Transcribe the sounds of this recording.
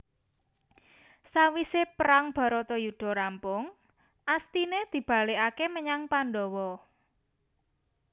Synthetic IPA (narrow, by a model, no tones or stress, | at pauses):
sawisepəɾaŋb̥a̤ɾɔt̪ɔjud̪̥ɔ̤ɾampʊŋ | ʔast̪ined̪̥i̤b̥a̤leʔakeməɲaŋpanɖɔwɔ